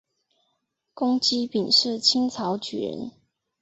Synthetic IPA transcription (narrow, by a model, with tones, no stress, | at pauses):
kʊ˦ŋt͡ɕi˥pi˨˩ŋʂɻ̩˥˨t͡ɕʰi˥˦nt͡sʰɑ˨˦ʊt͡ɕy̰˨˩ɻə̰˧˦n